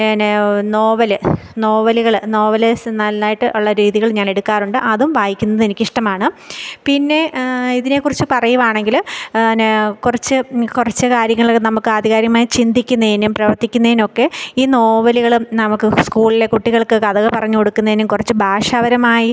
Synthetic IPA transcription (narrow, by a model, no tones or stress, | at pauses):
nno̞ːʋɐlɨ | no̞ːʋɐliɣɐɭno̞ːʋɐlesnɐlːaːjiʈːɨʔuɭːɐɾiːðiɣɐɭɲaːne̞ɽukːaːruɳɖɨʔɐðumʋaːjikʲːunːɐðe̞nikʲːiʂʈɐmaːɳɨpinːe̞iðine̞kːurit͡ɕːɨpɐrɐjuʋaːɳe̞ŋɡilnkurɐt͡ɕːɨkurɐt͡ɕːɨkaːɾjɐŋːɐɭkːnɐmukːɨɐd̪ʱiɣaːɾjɐmaːjit͡ɕind̪ikʲːunːɐðinumprɐʋɐrt̪ːikʲːunːɐðino̞kːe̞iːno̞ːʋɐliɣɐɭnɐmukːɨskuːɭile̞kuʈːiɣɐɭkɨkɐðɐɣɐpɐrɐɲːɨkoɽukːunːɐðinɨmkurɐt͡ɕːɨbʱaːʂaːbɐɾɐmaːji